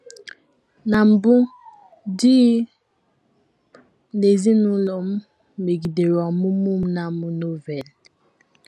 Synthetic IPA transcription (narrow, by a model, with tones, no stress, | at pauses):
na˨m̩˨bu˦ | di˦ | ne˨zi˦nu˦lɔ˨m˦ | me˨ɡi˨de˨ɾa˨mu˦mu˦˨mna˨mu˦no˦vɛ˨l